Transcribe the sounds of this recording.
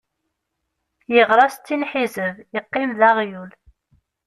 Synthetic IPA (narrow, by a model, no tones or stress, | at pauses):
jəʁɾˤɑst̪ːinħizəvjəqːimðaʁjul